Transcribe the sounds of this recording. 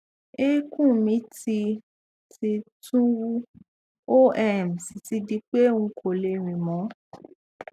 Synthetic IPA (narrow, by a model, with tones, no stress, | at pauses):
e˦kũ˦˨mĩ˨˦ti˧ | ti˧tũ˦wu˦ | o˦ɛ˦˨m˨si˨ti˧˦di˧˦k͡pe˦ŋ̩˧˦kʰo˨le˧ɾ̃ĩ˨mɔ̃˨˦